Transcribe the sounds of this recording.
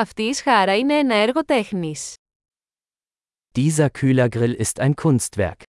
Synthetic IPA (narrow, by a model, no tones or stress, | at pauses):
ɐft̪iːsxɐɾɐine̞enɐeɾɣo̞t̪e̞xnis | d̥iːzɐkʰyːlɐɡʁɪlɪstaɪnkʰʊnstv̥ɛ̰ɐk